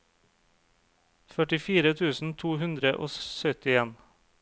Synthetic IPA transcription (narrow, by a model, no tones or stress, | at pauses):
fœʈɪfiːɾət̪ʰʉːsn̩t̪ʰuːhʉnd̪ɾəʔo̰ːsœt̪ɪeːn